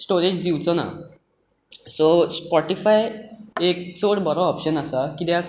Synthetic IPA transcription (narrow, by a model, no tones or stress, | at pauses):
sʈoɾed͡ʑd̪iwt͡sɔna̰ | sospɔʈifajek̚t͡soɽbəɾɔɔpɕənasakid̪ja